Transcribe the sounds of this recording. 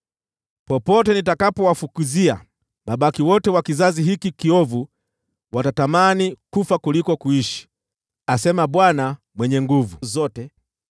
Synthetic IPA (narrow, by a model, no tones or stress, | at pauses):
pɔpɔtɛnitakapɔwafukuzia̰ | maɓakiwɔtɛwakizaziɦikikiɔvu | watatamanikufakulikɔkuiʃi̥ | asɛmaɓwana | mwɛɲɛŋɡuvuzɔtɛ